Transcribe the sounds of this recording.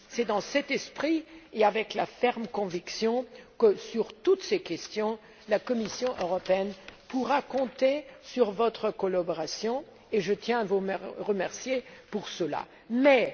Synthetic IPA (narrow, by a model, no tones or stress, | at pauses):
sɛd̪ɑ̃sɛt̪ɛspχieavɛklafɛʁmkɔ̃viksjɔ̃kəsyʁt̪ut̪sekʲɛst̪jɔ̃ | lakɔmisjɔ̃ʔøʁɔpeɛnpuʁakɔ̃t̪esyʁvɔt̪χəkɔlabɔʁasjɔ̃ | eʒət̪jɛ̃vumɛʁəmɛʁsjepuʁsəla̰ | mɛ